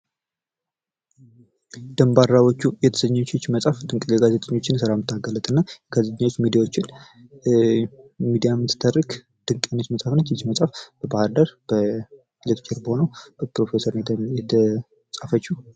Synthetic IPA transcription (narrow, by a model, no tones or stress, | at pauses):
d̪̥əmbaɾːawot͡ʃːujɛt̪ʰə̥səɲːt͡ʃːɪt͡ʃːməsʼafd̪ɨŋkʼɡazet̪ʼəɲːo̞t͡ʃːɪnsɨɾamɨt̪ʰːaɡələt̪ʼɨnːaɡazeɲːawot͡ʃːmid̪ijawot͡ʃːɪn | mid̪ijamːɨt̪ːɨ̥t̪ʰːərːɨk | d̪̥ɨŋkʼenət͡ʃːməsʼafnət͡ʃːit͡ʃːməsʼafb̥əbahaɾd̪əɾb̥ə | lɨt̪t͡ʃʰʼeɾbəho̞nəwbəpɾo̞fe̞səɾnjɛt̪ʰə | sʼafət͡ʃːu